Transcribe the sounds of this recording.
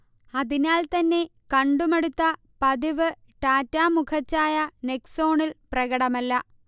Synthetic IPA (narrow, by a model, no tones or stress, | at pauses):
ɐðinaːlt̪ɐnːe̞kɐɳɖumeɽut̪ːɐ | pɐðiʋɨ | ʈaːtːaːmukʰɐt͡ɕːaːjɐne̞kso̞ːɳilprɐɣɐɽɐmɐlːɐ